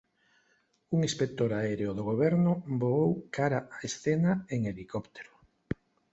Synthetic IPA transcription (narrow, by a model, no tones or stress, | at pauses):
uŋispek̚t̪oɾaeɾeoðoɣoβɛɾnʊboowkaɾaaesθenaeŋelikopt̪e̥ɾo̥